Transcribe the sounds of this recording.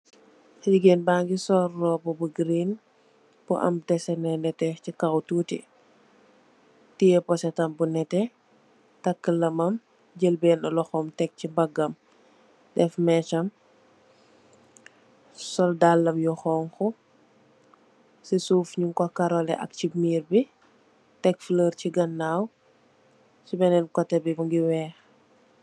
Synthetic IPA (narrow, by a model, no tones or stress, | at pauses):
liɡeːnbaːŋɡisɔrːɔːbɔbuɡɾin | bɔ̰ʔɐ̰mtɛsɛnɛnɛtɛcikawtuːtḭ | tijɛpɔsɛtɐmbunɛtɛ | tɐkːəlɐmɐm | ɟəlbɛːnɔlɔxɔmtɛk̚cibɐɡːɐm | dɛfmɛt͡ʃɐm | sɔldalːɐmjɔxɔːŋxɔ | sisuːfɲuŋkɔkɐɾɔlɛ̰ʔɐ̰k̚cimiːɾbi | tɛkfiləːɾciɡɐnːaːw | sibɛnɛnkɔtːɛbibuŋɡiwɛːx